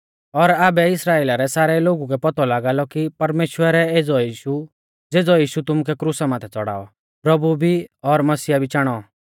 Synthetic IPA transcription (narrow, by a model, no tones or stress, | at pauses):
ɔɾaːbɛɪsɾaːeːlaɾɛsaːɾɛloːɡuk̬ɛpɔt̪ɔlaːɡaːlɔkipɐɾmeːʃwəɾɛeːd͡zɔjiːʃu | d͡zeːd͡zɔjiːʃut̪ʊmukɛkɾusamãːt̪ʰɛt͡sɔ̰ɽa̰ːɔ̰ | pɾɐbubʱiɔɾmɐsiːjabʱit͡ʃaːɽ̃ɔ